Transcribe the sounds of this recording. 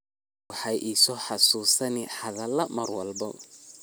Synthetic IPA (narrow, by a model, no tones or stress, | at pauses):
ɑħɑjʔiːsɔːħɑsuːsɐnɪħɐðɐlɐmɐrwɐlbɔ̰